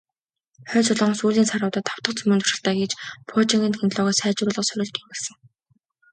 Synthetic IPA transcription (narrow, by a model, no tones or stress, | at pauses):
χœːnt͡sʊɮʊ̆ːŋsuːɮiːnsaɾʊːt̪ə̆t̪ʰːaw̥t̪ə̆qt͡sɵmɵnt̪ʊ̥ʃɪ̆ɬt̪æːɡet͡ɕpʰot͡ɕiŋɡɘ̆nxʰent̪ɮɔːʁaːsæːt͡ɕrʊːɮʁə̆sœɾʲʊ̆ɮt̪ieɮsɘ̆ŋ